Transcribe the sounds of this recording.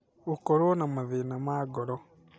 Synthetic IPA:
ukɔɾwonamaðenamaːɡɔɾɔ

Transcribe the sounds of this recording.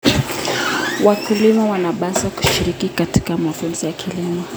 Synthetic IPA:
wakulimawanaɓasaku̥ʃiɾikikati̥kamafunzijakʰilimɔ

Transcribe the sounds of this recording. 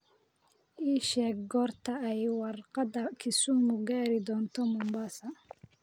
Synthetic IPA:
ʔiːʃɛːɡɡɔːrt̪ʰɐɛjwɑrqɑd̪ɐkʰɪsumʊɡaːɾɪd̪ɔːnt̪ʰɔmʊmbasɐ

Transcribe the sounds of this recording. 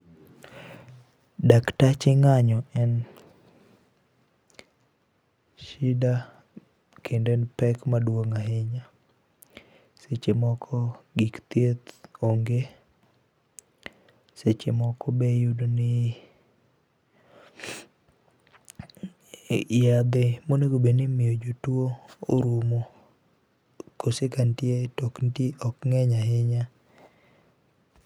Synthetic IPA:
daktat͡ʃɪŋaɲɔɛn | ʃida | kʰendenpɛkmadwoŋaɦeɲa | set͡ʃemɔkʰɔɡikt̪et̪oŋɡe | set͡ʃɪmɔkɔbejudonɪ | jad̪emoneɡobenɪmɪjod͡ʒotwooɾumo | kosekantjetɔknteɔkŋɛɲaɦɪɲa

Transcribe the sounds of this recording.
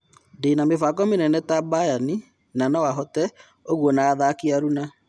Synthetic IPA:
denamefak̬ɔmenɛnɛtabajani | nanawaɦɔtɛ | oɣwɔnaːðakiaɾuna

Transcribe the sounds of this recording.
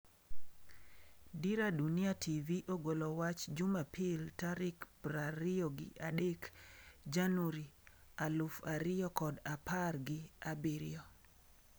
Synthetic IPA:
diɾadunɪatʰiviʔoɡolowat͡ʃd͡ʒumapʰɪltaɾɪkpɾaɾɪjɔɡɪ̰ʔadekd͡ʒanuɾi | alʊfaɾɪjɔkɔdaparɡɪabiɾɪ̰jɔ

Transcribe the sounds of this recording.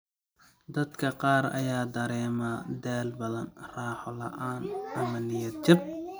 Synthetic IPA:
d̪ɐd̪kʰɐqɑːɾɐ̰jaːd̪ɐɾɛːmaːd̪ɛːlbɐðɐnrɑːħɔlɐ̰ʔaːnʔɐmɐlɪjɐd̪̚t͡ʃɐb̚

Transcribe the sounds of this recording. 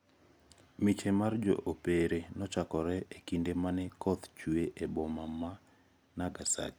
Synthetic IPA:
mit͡ʃemard͡ʒɔ̰ʔopeɾenɔt͡ʃakɔɾɛekindemanɛkɔt̪t͡ʃueʔebɔmama | naɡasa̰t͡ʃ

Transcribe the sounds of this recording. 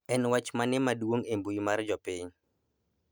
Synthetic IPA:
ɛnwat͡ʃmanɪmadwoŋembujimard͡ʒɔpiɲ

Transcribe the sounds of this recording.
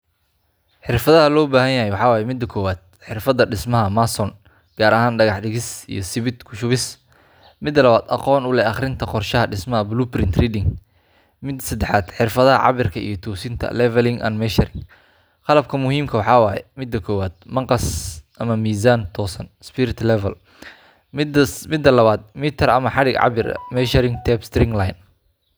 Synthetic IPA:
ħɪrfɐðɐɦɐlɔːbaːɦɐnjɐɦɛjwɑħɑːwɑːjɛmɪd̪ːɐkʰɔːwaːd̪̥̚ħɪrfɐðɐɖɪsmɐɦɐmasɔn | ɡ̥aːɾɐɦaːnɖɐɣɑħɖɪɣɪsḭjɞsɪβɪd̪kʰʊʃʊβɪs | mɪd̪lɐβaːd̪ɑ̰qɔːnʊlɛʔɑχɾɪnt̪ʰɐqɔrʃɐɦɐɖɪsmɐɦɐbluːprɪnt̪riːd̪ɪŋ | mɪd̪sɐd̪ɛħaːd̪ħɪrfɐðɐɦɐ̰ʕɑ̰βɪrkʰɐḭjɞt̪ʰuːsɪnt̪ʰɐ̰lɛvɛlɪŋʔɐ̰nmɛʃɐɾɪŋ | qɑlɐb̚kʰɐmʊhiːmkʰɐwɑħɑːwɑːjɛ̰mɪd̪ːɐkʰɔːwaːd̪̚mɑqɑsʔɐmɐmiːsaːnt̪ʰɔːsɐnspɪɾɪt̪lɛvɛl | mɪd̪ːɐlɐβaːd̪̚miːt̪ʰɐrɐmɐħɑɽɪɡʕɑ̰βɪr̰mɛʃɐɾɪŋt̪ʰɛːbst̪ɾɪŋlɑjn

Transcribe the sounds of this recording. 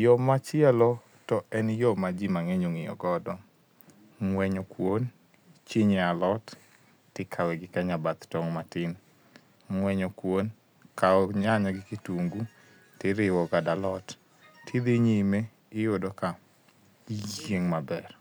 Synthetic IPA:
jɔmat͡ʃɪɛlɔ | tɔɛnjɔmad͡ʒimaŋeɲoŋɪjɔ̰ɡɔdɔ | ŋwɛɲɔkwon | t͡ʃiɲealɔt | tɪkʰawɛɡɪkaɲabat̪tɔŋmatɪn | ŋwɛɲɔkwon | kaɔɲaɲɔɡɪkituŋɡu | tɪɾɪwɔɡadalɔtːʰ | id̪eɲeme | ɪjodɔka | d͡ʒeŋmabɛr

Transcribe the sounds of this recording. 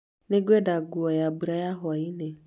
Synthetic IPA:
neɡʷedaɡuɔjabuɾajaɦʊaine

